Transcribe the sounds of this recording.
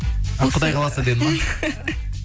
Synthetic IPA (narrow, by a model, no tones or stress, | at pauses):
ɑqʰʊd̪ɑjqʰɑlˠɑsad̪ed̪ɪma